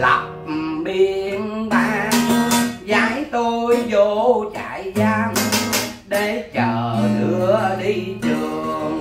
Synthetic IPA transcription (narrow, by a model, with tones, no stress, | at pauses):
la̰˨˩k͡p̚ɓi˧nɓaː˧˩nzaː˨˦jt̪o˧jzo˧˦t͡ɕa̰˧˨jza˧ŋ | ɗe˨˦t͡ɕəː˧˩ɗɨ˧˦əəɗi˧t͡ɕɨ˧˨˩əəŋ